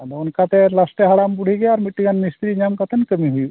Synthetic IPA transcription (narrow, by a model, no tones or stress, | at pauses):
d̪oːnkat̪elɐsʈeɦaɽambuɽ̤ʱiɡɐjaɾmiʈːiɡanmist̪ɾiɲamkat̪ənkəmiɦuju